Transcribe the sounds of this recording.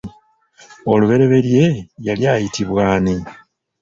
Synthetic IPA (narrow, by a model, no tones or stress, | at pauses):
o̞luβe̞ɾe̞βe̞lje̞jaljaːjitiβwaːni